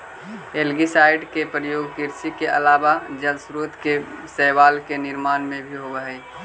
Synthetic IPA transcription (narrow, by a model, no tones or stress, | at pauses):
eːlɡisaːɪɖkepɾəjoːɡkɪɾsikeʔɐ̰laːʋad͡ʒəlsɾuːt̪kesɛːʋaːlkenɪɾmaːnmẽbʱiɦoʋəɦɛi